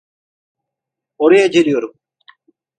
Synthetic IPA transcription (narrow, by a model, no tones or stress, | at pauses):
oɾɐjad͡ʒelʲijo̞ɾum